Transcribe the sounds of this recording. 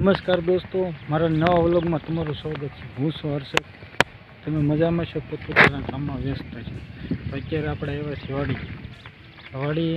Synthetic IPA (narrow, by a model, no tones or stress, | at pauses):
nəməskaɾd̪ost̪omaɾanəʋaʋloɡmãt̪əmaɾusaɡət̪t͡ʃʰeɦũsoəɾse | t̪əmeməd͡ʒamãʃokot̪ot̪anãkamːãʋjəst̪at͡ʃʰet̪okaɾapɽaeʋasiʋaɽi | ʋaɽi